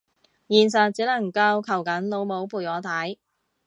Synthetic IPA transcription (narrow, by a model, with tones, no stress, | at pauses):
jiː˨˩ns̬ɐ˨t̚t͡siː˨˥nɐ˨˩ŋkɐ˧wkʰɐ˨˩wkɐ˨˥nlo˨˥wmo˨˥wpʰuː˨˩jkɔː˨˥t̪ʰɐ˨˥j